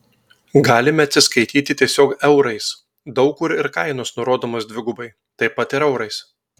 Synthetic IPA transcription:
ɡɑːlʲɪmʲɛɐt̪ʲsʲɪskɐɪt̪ʲiːt̪ʲɪt̪ʲiɛsʲoːkɛʊɾɐɪs | d̪ɒʊkʊɾɪɾkɐɪnoːsnʊɾoːd̪oːmoːsd̪ʲʋʲɪɡʊbɐɪ | t̪ɐɪpɐt̪ɪɾɛʊɾɐɪs

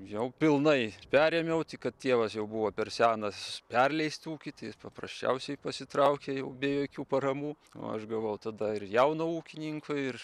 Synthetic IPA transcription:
jɛʊpʲɪlˠnɐɪpʲæːɾʲɛmʲɛʊt̪ʲɪkɐt̪t̪ʲiɛʋɐsjɛʊbʊʋoːpʲɛrsʲæːnɐspʲɛrʲlʲɛɪsʲt̪ʲuːkʲɪt̪ɐɪjɪspɐprɐsʲt͡ʃʲɛ̰ʊsʲɛɪpɐsʲɪt̪ɾɐʊkʲejɛʊbʲeːjoːkʲuːpɐɾɐmuː | o̰ːɐ̰ʃɡɐʋɐʊt̪ɐd̪ɐɪrjɛʊnouːkʲɪnʲɪŋkʰoɪɪr

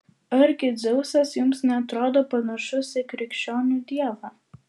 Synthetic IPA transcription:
ɐɾʲɡʲɪd̪zʲɛʊsɐsjʊmsnʲɛɐt̪ɾoːd̪oːpɐnɐʃʊsʲɪkɾʲɪkʃʲt͡ʃʲoːnʲuːd̪ʲiɛʋɑː

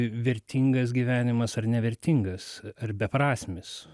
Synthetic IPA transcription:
ʋʲɛɾʲt̪ʲiːŋɡɐs̬ɡʲiːʋʲæːnʲɪmɐsɐrnʲɛʋʲɛɾʲt̪ʲiŋɡɐsɐrbʲɛpɾɑːsʲmʲɪs

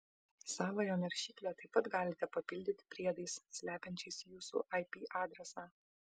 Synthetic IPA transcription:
sɑːʋɐjoːnʲɛɾʲʃʲiːkʲlʲɛt̪ɐɪpɐt̪ɡɑːlʲɪt̪ʲɛpɐpʲɪlʲd̪ʲɪt̪ʲɪ̥pʲɾʲiɛd̪ɐɪssʲlʲæːpʲɛnʲt͡ʃʲɛɪsjuːsṵːʔɐɪpʲiːʔɑːd̪ʲɾʲɛsɑː

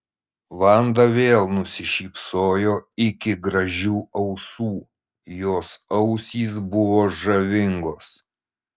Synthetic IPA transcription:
ʋɐnd̪ɐʋʲeːlˠnʊsʲɪʃʲiːpsoːjoːɪkʲɪɡɾɐʒʲuːɐʊsuː | joːsɐʊsʲiːs̬bʊʋoːʒɐʋʲɪŋɡoːs

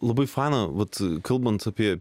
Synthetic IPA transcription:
lˠɐbɐɪfaɪnɐʋɐt̪kʰɐlˠbɐnt̪ɐpʲiɛ

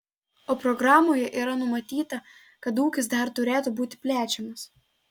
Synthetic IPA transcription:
oːpɾɔɡɾɑːmoːjɛʔiːɾɐnʊmɐt̪ʲiːt̪ɐ | kɐt̪uːkʲɪs̬d̪ɐɾt̪ʊɾʲeːt̪ubuːt̪ʲɪ̥pʲlʲæːt͡ʃʲɛmɐs

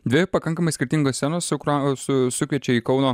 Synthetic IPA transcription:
d̪ʲʋʲɪpɐkɐŋkɐmɐɪsʲkʲɪɾʲt̪ʲɪŋɡoːssʲænoːsʊkɾsʊsʊkʲʋʲiɛt͡ʃʲɛiːkɒʊnoː

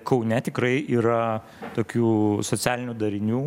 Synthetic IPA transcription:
kɐʊnʲɛt̪ʲɪkɾɐɪʔiːɾɐ | t̪oːkʲuːsoːt͡s̪ʲæːlʲɪnʲuːd̪ɐɾʲɪnʲuː

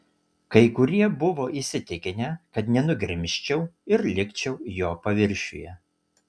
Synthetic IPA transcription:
kɐɪkʊɾʲiɛbʊʋoːʔisʲɪt̪ʲɪkʲɪnʲɛkɐt̪nʲɛnʊɡʲɾʲɪmʲʃʲt͡ʃʲɛʊɪɾlʲɪkʲt͡ʃʲɛʊjoːpɐʋʲɪɾʲʃʲʊ̰jɛ

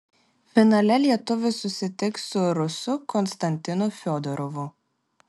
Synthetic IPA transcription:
fʲɪnɐlʲɛlʲiɛt̪ʊʋʲɪsʊsʲɪt̪ʲɪkssʊɾʊsʊkɔnst̪ɐnʲt̪ʲɪnʊfʲɔːd̪ɔɾɔʋʊ

